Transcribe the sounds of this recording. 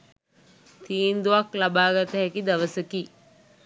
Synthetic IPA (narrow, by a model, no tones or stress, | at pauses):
t̪ʰiːnd̪uʋaklabaːɡat̪əɦækid̪aʋəsəki